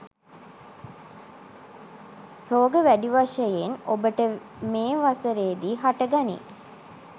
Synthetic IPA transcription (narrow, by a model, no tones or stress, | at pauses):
roːɡəʋæɖiʋaʂəjenobəʈə | meːʋasəɾeːd̪iːɦaʈəɡanḭ